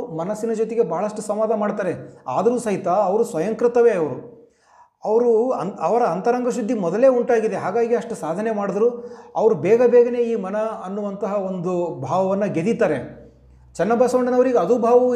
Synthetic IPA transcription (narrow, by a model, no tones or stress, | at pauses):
mɐnɐsːinɐd͡ʒot̪eɡe̞bɐɦɐɭɐʂʈusɐmʋaːd̪ʱɐmaːɽt̪aːɾea̰ːd̪ɐɾuːsɐɦit̪aːʋɐɾusʋɐjɐŋkɾɪt̪ɐʋeːɐʋɐɾu | ɐʋɐɾuɐʋɐɾɐːnt̪ɐɾɐŋɡʱɐʃud̪ʱːimɔd̪ɐle̞ːuɳʈaːɡid̪e̞ɦaːɡaːɡiɐʂʈusaːd̪ʱɐnemaːɽid̪ɐɾuːɐʋɐɾubɛːɡɐbɛːɡɐne̞ːiːmɐnɐɐnːuʋɐnt̪ɐɦɐond̪ubʱaːʋɐʋɐnːɐɡe̞d̪it̪aːɾe | t͡ʃɛnːɐbaːsɐʋɐɳɖɐnɐʋɐɾiɡɐːd̪uːbʱaːʋɐʋu